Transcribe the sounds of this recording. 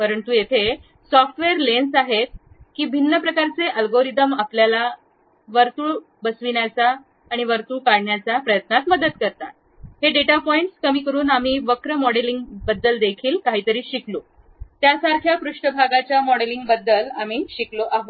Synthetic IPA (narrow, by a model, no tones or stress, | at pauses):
pəɾənt̪uːjet̪ʰe | sɔfʈʋeɾlensaɦet̪̚ | kiːbʱinːəpɾəkaɾt͡seʔəlɡoɾit̪əmapljala | ʋəɾt̪uɭ | bəsʋiɳjat͡saː | ɽ̃iʋəɾt̪uːkaɽɳjat͡sapɾəjət̪nat̪məd̪ət̪kəɾt̪at̪ | heɖeʈapɔiɳʈskəmiːkəɾuːnamiːʋəkɾəmɔɽeliŋɡbəd̪ːəld̪ekʰiːlkaɦiːt̪əɾiːɕiklo | t̪jasaɾkʰjapɾuʂʈəbʱaɡat͡ɕjamɔɽeliŋɡbəd̪ːəlamiːɕikloʔaɦot̪